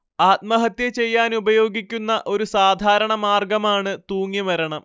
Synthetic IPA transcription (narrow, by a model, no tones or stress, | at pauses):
aːt̪̚mɐɦɐt̪jɐt͡ɕe̞jːaːnubɐjo̞ːɡikʲːunːɐʔo̞ɾusaːd̪ʱaːɾɐɳɐmaːrɡɐmaːɳɨt̪uːŋːimɐɾɐɳɐm